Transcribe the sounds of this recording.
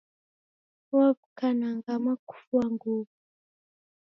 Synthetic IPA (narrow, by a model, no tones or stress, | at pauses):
wavukanaŋɡamaku̥fuaŋɡovu